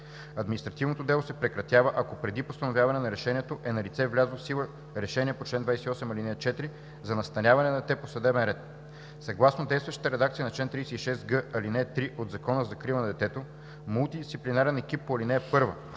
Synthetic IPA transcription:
ɐd̪minist̪ɾɐt̪ivnot̪od̪ɛlˠosɛpɾɛkɾɐt̪ʲjavəʔɐkopɾɛd̪ipost̪ɐnovjavɐnɛnɐɾɛʃɛnʲiɛt̪oʔɛnɐlit̪sɛvlʲazˠfsilˠə | ɾɛʃɛniɛpot͡ʃlɛnd̪vajsɛiɔsɛmɐlinɛt͡ʃɛt̪iɾi | zɐnɐst̪ɐnʲavɐnɛnɐd̪ɛt̪ɛposɐd̪ɛbɛnɾɛt̪ | sɐɡlˠasnod̪ɛjst̪vɐʃt̪t̪əɾɛd̪ak̚t̪sijənɐt͡ʃlɛnt̪ɾijsɛiʃɛsɡɤɐlinɛt̪ɾiʔod̪zɐkɔnəzɐkɾilˠənɐd̪ɛt̪ɛt̪o | mulˠt̪id̪ist̪iplinaɾɛnɛk̟ip̚ːoɐlinɛːpɤɾvə̰

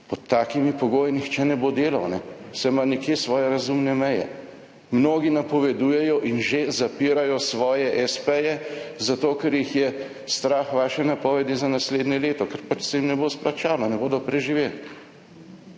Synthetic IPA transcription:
pɔt̪ʰːaːkimipɔɡoːjinixt͡ʃɛnɛbod̪eːlawnɛsɛmanikjesʋɔːjɛɾazumnɛmɛjɛ̰ | mnoːɡinapɔʋɛd̪uːjɛjɔʔinʒezapiːɾajɔsʋɔːjɛʔɛspɛjɛzat̪oːkɛɾjixjɛ | st̪ɾaːxʋaːʃɛnapɔːʋɛd̪izanasleːd̪nʲɛleːt̪ɔkɛɾpat͡ʃsɛjimnɛbosplat͡ʃaːnɔnɛboːd̪ɔpɾɛʒiʋel

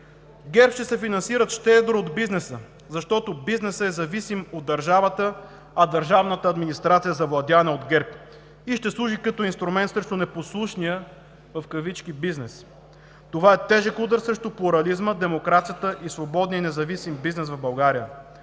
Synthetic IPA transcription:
ɡɛɾpʃt̪ɛsɛfinɐnsiɾət̪ʃt̪ɛd̪ɾood̪biznɛsə | zɐʃt̪ɔt̪obiznɛsəɛzɐvisimod̪ːɐɾʒavət̪ə | ɐd̪ɐɾʒavnət̪əːd̪minist̪ɾat̪sijəzɐvlˠɐd̪ʲanɛod̪ɡɛɾp | iʃt̪ɛslˠuʒikɐt̪ɔinst̪ɾumɛnt̪sɾɛʃt̪onɛposlˠuʃnijə | vɐfkɐvit͡ʃk̟ibiznɛs | t̪ovaɛt̪ɛʒɛkud̪əɾsɾɛʃt̪oplˠuɾɐlizməd̪ɛmokɾat̪sijət̪əʔisvobɔd̪nijənɛzɐvisimbiznɛsvɐvbɐlˠɡaɾijə

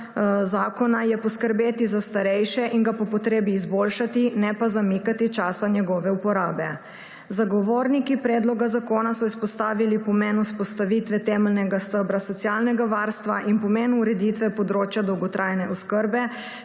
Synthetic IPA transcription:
zaːkɔnajɛpɔskəɾbeːt̪izast̪aɾɛjʃɛʔiŋɡapɔpɔt̪ɾeːbiːzboːlʃat̪inɛpazamikat̪it͡ʃaːsaɲjɛɡɔːʋɛupɔɾaːbɛ | zaɡɔʋoːɾnikipɾɛːd̪lɔɡazakoːnasɔispɔst̪aːʋilipɔmɛnuspɔst̪aʋiːt̪ʋɛt̪ɛmɛlnɛɡast̪əbɾasɔt̪sjaːlnɛɡaʋaːɾst̪ʋaʔinpɔmɛnuɾɛd̪it̪ʋɛpɔd̪ɾoːt͡ʃjad̪ɔwɡɔt̪ɾʔajnɛʔɔskəɾbɛ

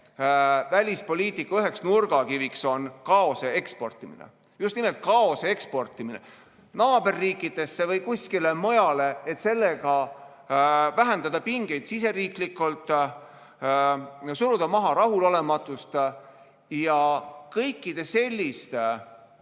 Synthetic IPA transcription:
vælʲispo̞lʲiːt̪ikːˑɑøɦe̞ksnurɡ̥ɑkivikso̞nkɑo̞see̞kspo̞rt̪ːˑiminḛ | just̪nimelt̪̚kɑo̞see̞kspo̞rt̪ːˑiminḛ | nɑːbe̞rːiːkˑːid̪̥e̞sːevɤjkuskilemɤjɑle̞et̪se̞lːe̞ɡɑ | væɦend̪ɑd̪̥ɑpiŋɡ̥e̞jd̪̥sise̞ɾiːklikːˑult̪ˑ | suɾud̪̥ɑmɑɦɑɾɑɦulo̞le̞mɑt̪ːˑust̪ | jɑkɤjkˑːid̪̥e̞se̞lʲːist̪

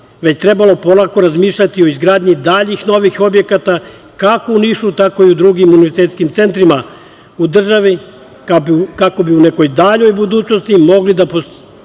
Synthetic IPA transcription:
ʋet͡ɕt̪ɾe̞balˠo̞po̞nako̞ɾazmiːʃʎat̪io̞izɡɾaːd̪ɲid̪aʎixno̞ʋixo̞bje̞kat̪a | kakouniʃut̪ako̞iud̪ɾuɡimuniʋeɾset̪skimt̪se̞nt̪ɾima | ud̪r̩ʒaʋi | kakako̞biuneko̞jd̪aʎo̞jbud̪uːt͡ɕno̞st̪imo̞ɡlid̪apos

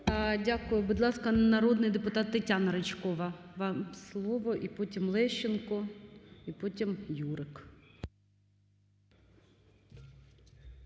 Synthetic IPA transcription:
dʲakʊjʊbʊd̪lˠɑskɐnɐɾɔd̪nɪjd̪epʊt̪ɑt̪ːɐtʲanɐɾet͡ʃkɔʋɐʋɑmslˠɔʋɔʔipɔtʲimlˠɛʃenkɔipɔtʲimjuɾɪk

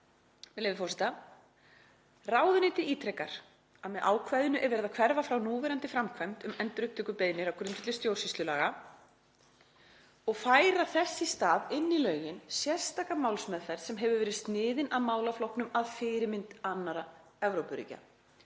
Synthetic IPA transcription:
mɛlejvðɪfɔrsɪt̪a | raːwðʏnɪːt̪ɪiːt̪ʰɾɛkaɾ̥ | aðmɛðʔaːwkʰvajðɪnʏʔɛɾvɛːɾɪðakʰvɛɾvafɾawnuːvɛɾant̪ɪfɾamkʰvɛjm̥t̪ʏmɛnt̪ɾʏhpt̪ʰʏkʏpeːjnɪɾawkʰɾʏnt̪ʏt̪ɪst̪jowɾ̥sist̪lʏlaːɣa | ɔɣfaːjɾaθɛsːɪst̪aːðɪnːilœːɥjɪnsjɛr̥st̪aːkamawlsmɛðfɛɾsɛmɦɛvʏɾvɛːɾɪst̪nɪːðɪnʔaðmaːwlaflɔwhknʏmaðfɪːɾɪmɪnt̪anːaɾa | ɛvɾowpʏɾḭca̰

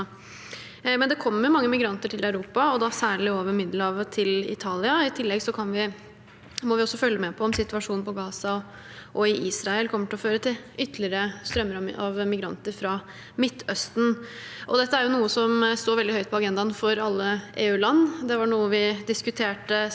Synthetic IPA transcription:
mɛnd̪ɛkʰɔmːəɾjʊmɑŋːəmɪɡɾɑnt̪əʈʰɪlœʉɾuːpɑɔd̪ɑsæːɭɪoːʋəɾmɪd̪ləɑʋt̪ʰɪlɪ̰t̪ʰɑːlɪɑɪt̪ʰɪlːɛɡsɔkʰɑnʋɪ | mɔʋɪɔsːɔfœljəmɛpʰɔɔmsɪt̪ʉɑʂuːnnpɔɡɑːsɑ | ʔɔɪʔiːsɾɑɛlkʰɔmːəʈʰɪɔføːɾət̪ʰɪlʏt̪ːlɪəɾəst̪ɾœmːəɾɑʋmɪɡɾɑ̰nt̪əɾfɾɑ | mɪt̪ʰːœst̪n̩ʔɔd̪ɛt̪ːəæɾjʊnuːəsɔmst̪oːʋɛld̪ɪhœʏt̪pʰɔɑɡɛnd̪ɑnfɔɾɑlːəʔeːʉːlɑnːd̪ɛʋɑɳuːəʋɪd̪ɪskʉt̪ʰeːʈə

